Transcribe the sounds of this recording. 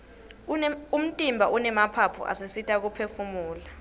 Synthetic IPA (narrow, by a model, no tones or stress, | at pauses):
um̩tʼimbʱaʔunɛmapʰapʰṵʔa̰sesitʼak̬upʰefumuːla